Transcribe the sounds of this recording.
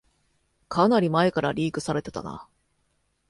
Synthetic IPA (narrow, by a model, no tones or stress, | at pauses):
kʰanaɾʲimae̞kaɾaɾʲiːkɯ̟̥saɾe̞t̪e̞t̪a̰na̰